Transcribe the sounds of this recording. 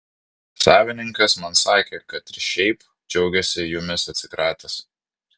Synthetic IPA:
sɑːʋʲɪnʲɪŋkɐsmɐnsɑːkʲeːkɐt̪ɪɾʃʲɛɪp | d͡ʒʲɛʊɡʲɛsʲɪjʊmʲɪsɐt̪ʲsʲɪkɾɑːt̪ɐs

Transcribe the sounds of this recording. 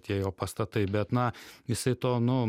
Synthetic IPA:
t̪ʲiɛjoːpɐst̪ɐt̪ɐɪbʲɛt̪nɐjɪsɐɪt̪oːnʊ

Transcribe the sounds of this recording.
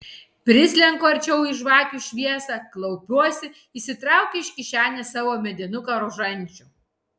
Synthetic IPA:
pʲɾʲɪsʲlʲɛŋkoɐɾʲt͡ʃʲɛʊɪʃʋɑːkʲuʃʲʋʲiɛsɐklˠɐʊpʲuɔsʲɪ | isʲɪt̪ɾɑˑʊkʲɛɪʃʲkʲɪʃʲæːnʲɛsɑːʋoːmʲɛd̪ʲɪnʊkɐɾʊʒɐnʲˑt͡ʃʲʊ

